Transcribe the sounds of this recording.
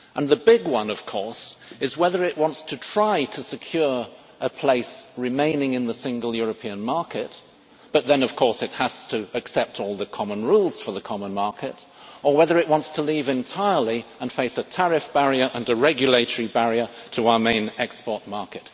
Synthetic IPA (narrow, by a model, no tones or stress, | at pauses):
ʔə̃nðɨbɪɡwʌ̃nʌv̥kʰɔɹsɨzwɛðə˞ɨʔ̚wɑ̃ntstʰɨtʰɹ̥aɪɾɨsɨkʰj̥ʊɹ | ʔəpʰl̥eɪsɹɨmẽɪ̃nɪ̃ŋɨ̃nðɨsɪ̃ŋɡəl̩ˠjʊɹɨpʰiɨ̃nmɑɹkɨt̚ | b̥ʌt̪̚ðɨ̃nʌv̥kʰɔɹsɨt̚həz̥tʰɨɨksɛp̚tʰɔlˠðɨkʰɑmə̃nɹulˠz̥fə˞ðɨkʰɑmə̃nmɑɹkɨɾ | ə˞wɛðə˞ɨʔ̚wɑ̃ntstʰəlivɨ̃ntʰaɪə˞lˠiə̃nfeɪsɨtʰɛɹɨfb̥æɹiə˞ʔɨ̃nɨɹɛɡjɨleɪɾə˞ibæɹiə˞ɾʰəaʊə˞mẽɪ̃nɛkspɔɹt̚mɑɹkɨt̚